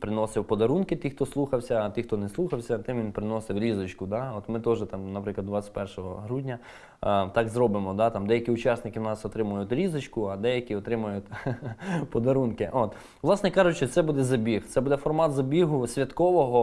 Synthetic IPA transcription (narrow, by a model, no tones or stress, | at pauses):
pɾɪnɔsɪwpɔd̪ɐɾunkɪt̪ixt̪ɔslˠuxɐwsʲɐːt̪ɪxt̪ɔnɛslˠuxɐwsʲɐt̪ɪmʋʲinpɾɪnɔsɪwɾʲizɔt͡ʃkʊd̪ɑɔt̪mɪt̪ɔʒɛt̪ɑmnɐpɾɪklˠɐd̪ʋɑt͡sʲːɐ̥tʲpɛrʃɔɦɔ̰ɦɾudʲnʲɐ | t̪ɑɡzrɔbɪmɔd̪ɑt̪ɑmd̪ɛjɐkʲiʊt͡ʃɑsnɪkɪwnɑsɔt̪ɾɪmʊjʊt̪ʲɾʲizɪt͡ʃkʊɐd̪ɛjɐkʲiɔt̪ɾɪmʊjʊt̪ʲ | pɔd̪ɐɾunkɪʔɔt̪ | ʋlˠɑsnɛkɑʒʊt͡ʃʲt͡ʃɪt̪sɛbud̪ɛzɐbʲixt̪sɛbud̪ɛfɔrmɑt̪zɐbʲiɦʊsʲʋʲɐt̪kɔʋɔɦɔ